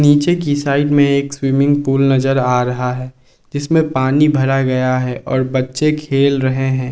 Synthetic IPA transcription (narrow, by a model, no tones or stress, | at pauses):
niːt͡ʃekisaːɪɖmẽeːkswiːmɪ̃ŋɡ̚puːlnɐzəɾaːɾɐɦaɦɛː | d͡ʒɪsmẽpaːnibʱɐɾaɡɐjaɦɛːʔɔːɾbɐtːʃekʰeːlɾɐɦeɦɛ̃ː